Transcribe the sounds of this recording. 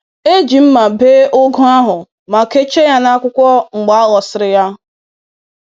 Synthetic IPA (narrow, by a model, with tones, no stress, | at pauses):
e˦d͡ʒi˨m̩˦ma˨beː˦ʔʊ˦ɡʊ˦a˦ɦʊ˨ | ma˨ke˦t͡ʃe˦ja˦na˦kʷʊ˦kʷɔ˦ŋ͡m̩˨ɡ͡ba˦a˦ɣɔ˨sɪ˨ɾɪ˨ja˦